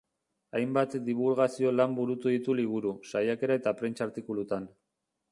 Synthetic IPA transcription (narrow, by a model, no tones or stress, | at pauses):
ajmbat̪d̪iβ̞ulɣasio̞lambuɾut̪uðit̪uliβ̞uɾusajake̞ɾae̞t̪apɾe̞nt͡ʃaːɾt̪ikulut̪an